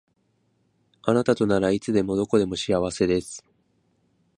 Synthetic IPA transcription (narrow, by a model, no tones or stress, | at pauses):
anat̪at̪o̞naɾait͡sɨd̪e̞mo̞d̪o̞ko̞d̪e̞mo̞ɕiaβ̞ase̞d̪e̞sɨ̥